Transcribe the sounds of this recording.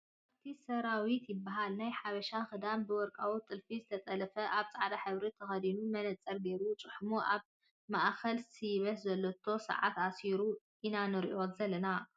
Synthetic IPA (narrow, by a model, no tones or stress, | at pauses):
ʔaβt̪ʰisɐɾawit̪jɪbːɐɦalnajħaβɐʃaxɨd̪ambɨwɔɾkʼawut̪ʼɨlfizɨt̪ʰɐt̪ʼɐlɐfɐʔaβt͡sʼaʕd̪aħɨβɾit̪ʰɐxɐd̪inumɐnɐt͡sʼːɐɾɡeɾut͡sʼɨħmuʔaβ | maʔkɐlsiβɐt̪zɐlːot̪ʰo̞sɐ̰ʕa̰t̪asiɾu | ʔinanɨɾḭʔo̞t̪zɐlɐna